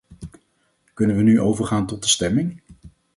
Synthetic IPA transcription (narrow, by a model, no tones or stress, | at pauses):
kɵnənʋənyʔowvəɹχaːntɔt̚dəstɛmɪŋ